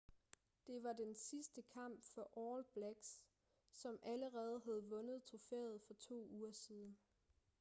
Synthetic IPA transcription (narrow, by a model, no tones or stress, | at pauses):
d̥e̝ʋɑ̈d̥ensisd̥əkʰɑ̈m̰b̥fɒ̽ʔɒːlb̥læɡ̥s | sɒ̽mæləʁɛːð̞̩ˠɦæð̞̩ˠʋɔ̽nð̞ˠt͡sʰʁo̝fḛːð̞̩ˠfɒ̽t͡sʰo̝̰ːuːɐsiːð̞ˠn̩